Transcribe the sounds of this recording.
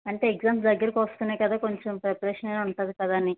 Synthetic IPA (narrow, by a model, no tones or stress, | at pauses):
ɐɳʈe̞ːeɡd͡ʒaːmpd̪ɐɡːɐɾɐkiʋɐst̪uːnajkɐd̪aːko̞ɲt͡ʃempɾepɐɾeːʂɐnenːuɳʈaːd̪ikɐd̪aːni